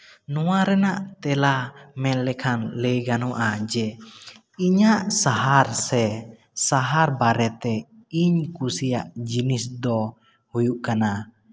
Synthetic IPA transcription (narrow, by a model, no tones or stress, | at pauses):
nɔwaɾɛnaʔt̪ɛlamɛlɛkʰanlɛjɡanɔʔad͡ʒɛ | iɲaʔsaɦaɾsɛ | saɦaɾbaɾɛt̪ɛ | iɲkusijaʔd͡ʒinisd̪ɔ | hujuʔkana